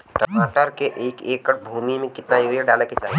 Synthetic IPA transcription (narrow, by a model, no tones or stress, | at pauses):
ʈəmaːʈəɾkeʔeːkeːkːəʈ̚bʱuːmimẽkɪt̪najoːɡeɖaːleket͡ʃaːɦi